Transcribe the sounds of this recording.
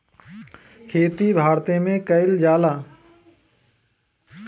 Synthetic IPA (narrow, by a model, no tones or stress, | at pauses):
kʰeːt̪ibʱaːɾt̪ẽmẽkəɪld͡ʒaːlaː